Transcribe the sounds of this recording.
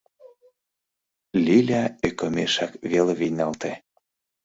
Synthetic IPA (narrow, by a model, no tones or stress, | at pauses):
lʲilʲæøkə̆meʃɑkβeleβijnɑlt̪e